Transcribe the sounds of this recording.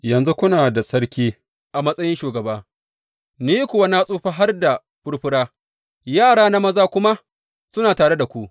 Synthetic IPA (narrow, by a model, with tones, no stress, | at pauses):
jɐ˨nzu˦kʷʊ˦naː˨da˨sɐ˦ɽkʲiː˦ | ʔa˨mɐ˦sʼɐ˦jɪ˦nʃuː˨ɡɐ˨baː˦ | niː˦kʷʊ˨wa˦na˦sʼuː˦ɸa˦ɦa˦rda˨ | ɸʊ˦ɽɸʊ˦ɽaː˦ | jaː˦˨ɽaː˦na˦mɐ˦zaː˦kʷʊ˦ma˦ | sʊ˦naː˨taː˨ɽe˦da˨kʷu˦˨ʔ